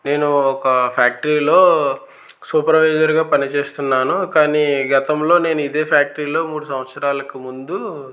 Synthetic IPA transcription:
ne̞ːnuɔkɐpʰjaːk̚ʈɐɾiːlo̞ː | suːpɾɐʋɐjd͡ʒɐɾɡaːpɐnit͡ʃe̞ːst̪unːaːnukaːniːɡɐt̪ɐmlo̞ːne̞ːnuid̪e̞ːpʰjaːk̚ʈɾiːlo̞ːmuːɽusɐmʋɐt̪sɐɾaːlɐkimund̪u

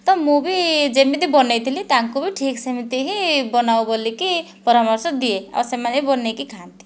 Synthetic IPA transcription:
t̪ɔmubid͡zemit̪ibɔnejt̪ʰilit̪aŋkobiʈʰiksemit̪iɦibɔnawbolːiki | pɔɾamɔɾsɔd̪iea̰bsemaneibɔnekikʰant̪i̥

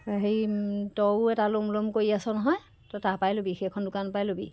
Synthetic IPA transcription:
ɦejtɔwɛtalomlomkoɹiasɔnɔɦɔj | tɔtapajlobixekʰːɔndʊkanpajlobḭ

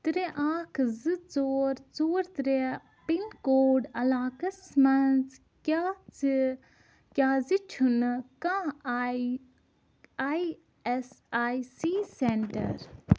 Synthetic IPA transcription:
t̪ɾeʔaːkʰzɨt͡soːɾt͡soːɾt̪ɾe | pinkoːɖɐlaːkɐsmɐnt͡s | t͡s | kʲaːzit͡ʃʰunkã | aj | esaːjsiːseɳʈɐ̰ɾ

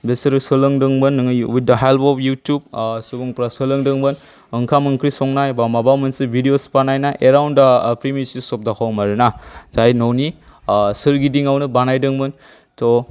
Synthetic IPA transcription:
besɾsɯlɯŋdɯŋmɯnːŋwit̚dɐɦelpɔpʰjutjub̚subuŋpɾasɯlɯŋdɯŋbɯn | ɯŋkʰamɯŋkʰɾisɔŋnajbamabamɯnsibʱidiospanajnaʔeɾawndapɾimisisɔp̚dakʰawmaɾnazajnownisɯɾɡidiŋawnɯbanajdɯŋmɯn | to

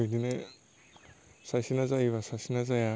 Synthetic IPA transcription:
idine | sajsinazajiβasasinazaja

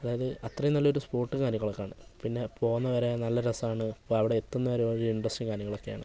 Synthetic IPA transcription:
ɐðaːjɐðɨʔɐt̪rɐjumnːɐlːɐoɾuspo̞ːrʈːɨkaːɾjɐŋːɐɭokːeaːɳɨpinːe̞po̞ːɣunːɐʋɐɾenɐlːɐɾɐsaːɳɨpːɭɐʋiɽeet̪ːunːɐʋɐɾeoɾuiɳɖrɐsʈiŋkaːɾjɐŋɐɭo̞kːe̞ja̰ːɳɨ

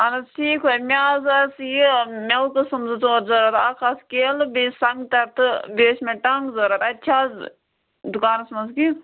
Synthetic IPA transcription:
ɐnɐʈʰiːkʰomʲaːzɐsjimʲɐwkɨsɨmzɨt͡soːɾzɐɾɐt̪aːkʰɐskeːlɨbiːsɐŋɡt̪ɐɾt̪ɨbeːsmɐʈɐŋɡzɐɾɐt̪ɐtʲt͡ʃʰaːz | d̪ukaːnɐsmɐnzki

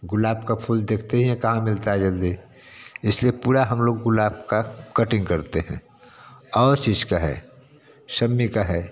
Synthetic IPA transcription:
ɡʊlaːbkapʰuːld̪eːkʰt̪eɦiɦɛ̃kɐɦãmɪlt̪aɦɛd͡ʒɐld̪i | ɪsliepuːɾaɦəmloːɡːʊlaːb̚kakəʈɪ̃ŋɡkəɾt̪eɦɛ̰̃ | ɔːɾt͡ʃiːd͡ʒkaɦɛ̰ː | səmːikaɦɛː

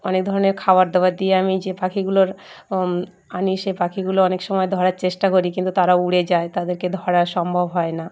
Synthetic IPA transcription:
ɔnek̚d̪ʱɔɾoneɾkʰawaɾd̪ɔbaɾd̪ieamid͡ʑepakʰiɡuloɾ | aniʃepakʰiɡuloɔnekʃɔmɔed̪ʱɔɾaɾt͡ɕeʃʈakoɾikint̪ut̪aɾauɽed͡ʑaet̪ad̪eɾked̪ʱɔɽaɾʃɔmbʱobɦɔena

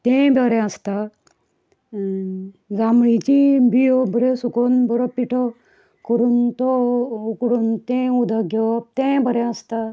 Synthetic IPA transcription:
t̪ɛ̃bʱəɾɛəst̪a | d͡zamɭit͡ɕibijobʱəɾesukonbɔɾɔpːiʈʰɔ | kəɾuːnt̪ɔukɽuːnt̪ẽud̪ʱaɡjɔp̚t̪ẽbʱəɾɛ̃əst̪a

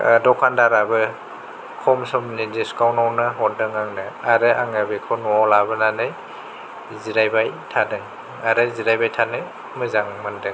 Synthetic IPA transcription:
dɔkʰandaɾabɯ | kʰɔmsɔmnidiskawnawnɯɦɔt̚dɯŋaŋnɯaɾɯaŋabekʰɔnɔɔlabɯnanɯj | ziɾajbajtʰadɯŋ | aɾɯziɾajbajtʰanɯ | mɯzaŋmɯndɯŋ

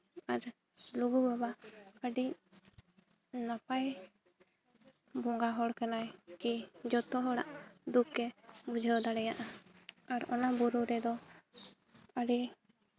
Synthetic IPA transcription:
aɾ | luɡubabaəɖi | napaj | bɔŋɡaɦɔɽkanajkid͡ʒɔt̪ɔɦɔɽa̰ʔd̪ukɛbud͡ʒʱəwd̪aɽɛjaʔaaɾɔnabuɾuɾɛd̪ɔ | əɽi

